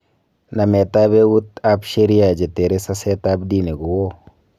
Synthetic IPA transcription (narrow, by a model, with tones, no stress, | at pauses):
na˨me˨ta˦be˦wu˦t̪a˦pʃe˦ɾi˦a˨d͡ʒe˨te˨ɾe˦sa˦se˦ta˦bdi˦ne˨ɡu˨wo˦